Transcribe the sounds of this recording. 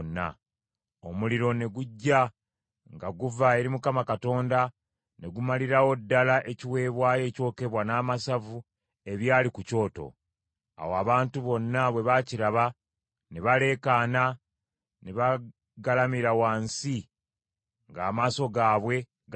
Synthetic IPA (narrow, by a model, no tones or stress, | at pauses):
nːa̰ | o̞muliɾo̞ne̞ɡuɟːa | ŋɡaɡuvae̞ɾimukamakato̞ːnda | ne̞ɡumaliɾawo̞dːalaʔe̞ciwe̞ːβwaːje̞ːco̞ːke̞βwanaːmasavu | e̞βjaːlikuco̞ːto̞̰ | a̰woaβaːntuβo̞nːaβwe̞βaciɾaβa | neβale̞kaːna | neβa | ɡalamiɾawaːnsi | ŋɡaːmaːso̞ɡaːβwe̞ | ɡ